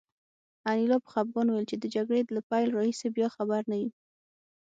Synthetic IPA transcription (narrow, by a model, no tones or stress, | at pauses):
anilɑpə̥xab̚ɡɑnwjlt͡ʃed̪əd͡ʒaɡɽed̪lapajlɾɑhisebjɑxabaɾnawi